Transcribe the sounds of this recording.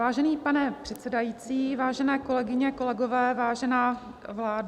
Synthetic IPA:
vaːʒɛniːpanɛpr̝̥ɛt̪sɛdajiːt͡siːvaːʒɛnɛːko̞lɛɡɪɲɛko̞lɛɡo̞vɛːvaːʒɛnaː | vlaːd

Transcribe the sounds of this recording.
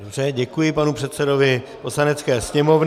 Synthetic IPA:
brɛɟɛkujɪpanupr̥ɛt̪t͡sɛdo̞vɪposlanɛtt͡skɛːsɲɛmo̞vn

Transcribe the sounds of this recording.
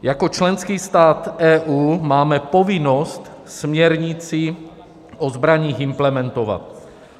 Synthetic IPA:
jako̞t͡ʃlɛnskiːst̪aːt̪ɛːʔuːmaːmɛpo̞vɪnost̪ | smɲɛɾɲɪt͡si | ʔozbɾaɲiːxɪmplɛmɛnt̪ova̰t̪̚

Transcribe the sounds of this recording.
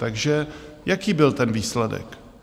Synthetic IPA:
t̪aɡʒɛ | jakiːbɪlt̪ɛnviːslɛdɛ̰k

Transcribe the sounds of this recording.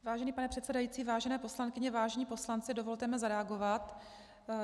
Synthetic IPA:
vaːʒɛniːpanɛpr̥ɛt̪sɛdajiːt͡siːvaːʒɛnɛːpo̞slankɪɲɛvaːʒɛɲiːpo̞slant͡sɪdovo̞lt̪ɛmɪzaɾɛaɡo̞vat̪

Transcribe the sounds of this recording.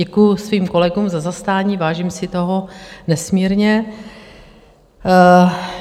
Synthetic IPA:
ɛkujʊsviːmko̞lɛɡuːmzazast̪aːɲiːvaːʒiːmsɪt̪o̞ɦonɛsmiːɾɲɛ

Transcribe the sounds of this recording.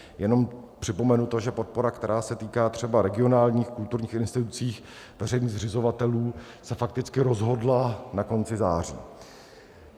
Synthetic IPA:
jɛno̞mpr̝̥ɪpo̞mɛnut̪oʒɛpo̞t̪̚po̞ɾakt̪ɛɾaːsɛt̪iːkaːt̪r̝̥ɛbaɾɛɡɪo̞naːlɲiːxkult̪uɾɲiːxɪnst̪ɪt̪ut͡siːx | vɛrɛjniːɣzrɪzo̞vat̪ɛluː | sɛfak̚t̪ɪt͡skɪɾo̞zɦo̞dlanako̞nt͡sɪzaːrḭː

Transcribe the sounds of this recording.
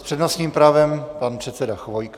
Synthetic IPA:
spr̥ɛdnosɲiːmpɾaːvɛmpanpr̝̥ɛt̪sɛdaxvojk

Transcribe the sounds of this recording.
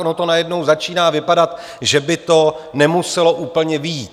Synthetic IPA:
ʔnot̪o̞najɛdno̞wzat͡ʃiːnaːvɪpadat̪ | ʒɛbɪt̪o̞nɛmusɛlo̞ʔuːpl̩ɲɛviiːt̪

